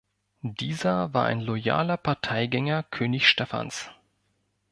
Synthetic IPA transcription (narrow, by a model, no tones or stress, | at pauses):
d̥iːzɐvaːɐʔa̰ɪnlɔja̰ːlɐpʰaɐtʰaɪɡɛŋɐkʰøːnɪçʃtɛfa̰ns